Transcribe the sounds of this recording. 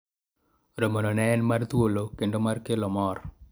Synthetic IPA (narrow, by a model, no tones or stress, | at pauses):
ɾomononɛːnmart̪wolokendomarkelɔmɔr